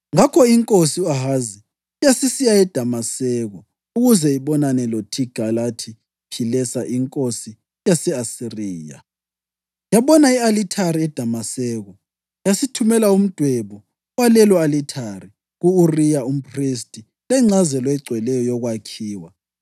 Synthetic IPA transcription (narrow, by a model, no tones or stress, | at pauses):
ŋakʰɔiŋkʼosiuaɦazi | jasisijaɛd̥ʱamasɛɣɔ | uɣuzɛiβɔnanɛlotʰiɡ̥ʱalatʰi | pʰilɛsaʔiŋkʼosi | jasɛasiriːja̰ | jaβɔnaialitʰaɾiɛd̥ʱamasɛːɣɔ | jasitʰumɛlaum̩d̥ʱwɛβɔ | walɛlɔalitʰari | ɣuurijaum̩pʰʼristʼi | lɛŋ͡ǀazɛlwɛɡ͡ǀʱwɛlɛjɔjɔɣwakʰiːwa